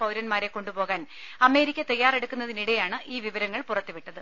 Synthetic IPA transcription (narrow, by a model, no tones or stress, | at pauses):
pɐwɾɐnmaːɾe̞ko̞ɳɖubo̞ːɣaːn | ɐme̞ːɾikʲːɐt̪ɐjːaːre̞ɽukːunːɐðiniɽejaːɳɨʔiːʋiʋɐɾɐŋːɐɭpurɐt̪ːuʋiʈːɐðɨ